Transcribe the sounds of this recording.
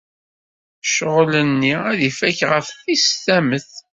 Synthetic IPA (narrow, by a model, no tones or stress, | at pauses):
ʃəʁlənːiæðifæçʁəfθisθæməθ